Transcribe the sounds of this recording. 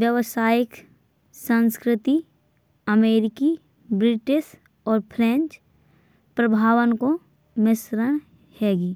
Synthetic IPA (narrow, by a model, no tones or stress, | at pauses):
ʋjəʋsaːjɪk | sə̃nskɾɪt̪i | əmeːɾɪki | bɾɪʈɪʃ | ɔːɾpʰɾẽːnt͡ʃ | pɾəbʱaːʋənko | mɪsɾəñ | hɛːɡiː